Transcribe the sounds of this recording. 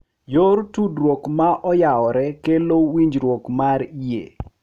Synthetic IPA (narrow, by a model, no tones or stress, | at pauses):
joɾtudɾwokmaʔɔjaɔɾɛkelowiɲd͡ʒɾwokmaɾijḛ